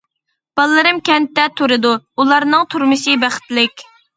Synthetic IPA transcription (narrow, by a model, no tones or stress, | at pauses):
b̥ɑlˠːɨɾɨmkʲɛnt̪ːɛt̪ʰuɾɨd̪uulˠɑɾnɨŋt̪ʰuɾmɨʃɨbæχɪ̥t̪lɪkʲ